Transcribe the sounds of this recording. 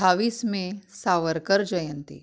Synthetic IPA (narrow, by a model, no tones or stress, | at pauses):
aːʋiːsmẽsaːʋəɾkəɾd͡ʒəjə̃nt̪ḭ